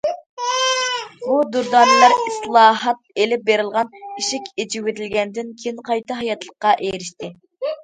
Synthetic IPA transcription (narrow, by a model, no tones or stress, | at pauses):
bud̪uɾd̪ɑːnɨlˠɑɾislˠɑːɦɑt̪̚elɪp̚beɾɨlˠʁɑniʃɪkʲed͡ʒiwet̪ɪlɡʲɛnd̪ɪnkʲʰejinqʰɑjt̪ɑɦɑjɑt̪lˠəqːɑʔejɾɪʃt̪ɪ